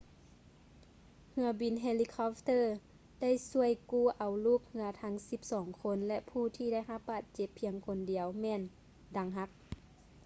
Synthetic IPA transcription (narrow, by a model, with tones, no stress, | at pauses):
hɯ˧ɐbi˨nɦe˧li˧kʰɔ˧˥pt̪ɤː˧˨ | da˥˩˨jsu˧˩əjkuː˧˩ʔa˨˩wluː˧˥˩k̚hɯ˧ɐt̪ʰa˧˦˥ŋsi˧˦p̚sɔː˨˩˦ŋkʰo˧˥nlɛ˧ʔpʰuː˧˩t̪ʰiː˧da˥˩jɦa˧p̚baː˧˩t̪̚t͡ɕe˧˦pʰːi˧˦əŋkʰo˧˦ndi˨˩əwmɛː˧˨n | da˨˩ŋɦa˧˥k̚